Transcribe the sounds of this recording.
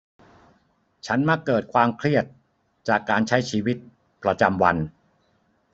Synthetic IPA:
t͡ɕʰa˦˥nma˦˥kːɤː˨˩t̪̚kʰwaː˧mkʰɾi˥˩ət̪̚ | t͡ɕaː˨˩kːaː˧nt͡ɕʰa˦˥jt͡ɕʰiː˧wi˦˥t̪̚ | pɾa˧t͡ɕa˧mwa̰˧n

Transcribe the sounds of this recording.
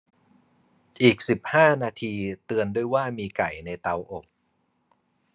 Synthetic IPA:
ʔiː˨˩k̚si˨˩p̚haː˥˩naː˧t̪ʰiː˧t̪ɯ˧əndu˥˩əjwaː˥˩miː˧ka˨˩jna˧jt̪a˧wʔo˨˩k̚

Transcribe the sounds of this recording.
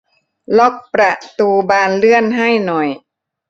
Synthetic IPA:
lɔ˦˥˩k̚pɾa˧˩ʔt̪uː˧baː˧nlɯ˥˩ənɦa˥˩jnɔ˨˩j

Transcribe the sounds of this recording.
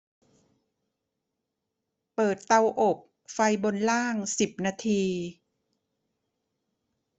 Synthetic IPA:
pɤː˨˩t̪ːa˧wʔo˨˩p̚ | fa˧jbo˧nlaː˥˩ŋsi˨˩p̚naː˧t̪ʰiː˧

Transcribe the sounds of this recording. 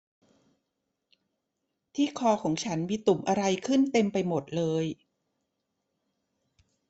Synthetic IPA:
t̪ʰiː˥˩kʰɔː˧kʰɔː˩˦ŋt͡ɕʰa˦˥nmiː˧t̪u˨˩mʔa˧ɾa˧jkʰɯ˥˩nt̪e˧mpa˧jmo˨˩t̪̚lɤː˧j

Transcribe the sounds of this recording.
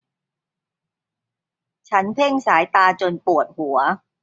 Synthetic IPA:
t͡ɕʰa˦˥npʰe˥˩ŋsaː˩˦jt̪aː˧t͡ɕo˧npu˨˩ət̪̚hu˩˦ɐ

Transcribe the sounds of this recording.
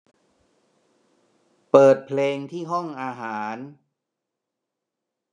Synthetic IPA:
pɤː˨˩t̪̚pʰleː˧ŋt̪ʰiː˥˩ɦɔ˥˩ŋʔaː˧ɦaː˩˦n

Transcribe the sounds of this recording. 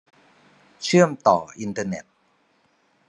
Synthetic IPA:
t͡ɕʰɯ˥˩əmt̪ɔː˨˩ʔi˧nt̪ɤː˧ne˨˩t̪̚

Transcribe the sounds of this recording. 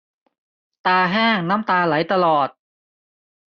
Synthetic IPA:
t̪aː˧ɦɛː˥˩ŋnaː˦˥mt̪aː˧la˩˦jt̪a˧lɔː˨˩t̪̚

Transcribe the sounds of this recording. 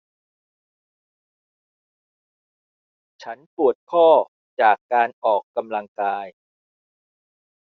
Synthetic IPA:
t͡ɕʰa˦˥npu˨˩ət̪̚kʰɔː˥˩ | t͡ɕaː˨˩kːaː˧nʔɔː˨˩kːa˧mla˧ŋkaː˧j

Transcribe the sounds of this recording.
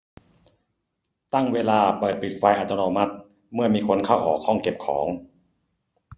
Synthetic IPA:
t̪a˥˩ŋweː˧laː˧paː˨˩pi˨˩t̪̚fa˧jʔa˧˩t̪ɔ˧noː˧ma˦˥t̪̚ | mɯ˥˩ɐmiː˧kʰo˧nkʰa˥˩wʔɔ̰ː˨˩kʰːɔ˥˩ŋke˨˩p̚kʰɔː˩˦ŋ

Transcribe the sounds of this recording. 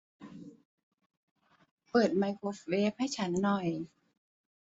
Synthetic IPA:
pɤː˨˩t̪̚ma˧jkʰo˧˦˥fweː˦˥p̚ha˥˩jt͡ɕʰa˦˥nːɔ˨˩j

